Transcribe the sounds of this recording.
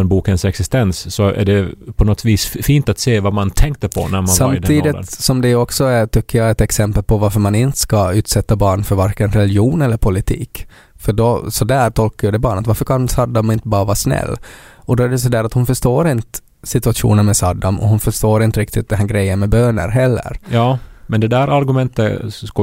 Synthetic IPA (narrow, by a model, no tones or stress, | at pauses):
ɛnbuːkənsɛksɪst̪ɛnsːɔæ̰ɖɛpʰɔnɔt̪viːsfiːnt̪at̪seːvamant̪ʰɛŋk̚t̪əpʰɔ̰næɾmansamt̪d̪ʰiːd̪ɪt̪nsɔmd̪ɛjɔksɔæʈ̪ʏkʰːəjɑɛt̪ɛksɛmpəlpʰɔvaɾfœɾmanɪnt̪ə̥skaʉ̟ːt̪sɛt̪ːabɑːɳfœɾvaɾkənɾɛljuːnɛlːəɾpʰʊlɪt̪ʰḭːk | fœɖɔsɔd̪æːɾʈ̪ʰɔlkajɵd̪ɛbɑːɳət̪vaɾfəɾkʰansɑːd̪ːamɪnt̪əbɑːɾavɑːsnɛ̰lːɔd̪ɔæɖɛs̬ɔd̪æːɾat̪hʊnfœʂt̪oːɾɪnt̪ə | sɪt̪ɵaʂṵːnənmɛsɑːd̪ːamʔɔ̰hʊnfœʂt̪oːɾɪnt̪əɾɪkt̪ɪt̪̚d̪ɛnɦæːɾɡɾɛjːənmɛbøːnə̰ɾɦɛlːə̰ɾjɑːmɛnd̪ɛd̪æɾaɾɡʉmɛnt̪ə̰k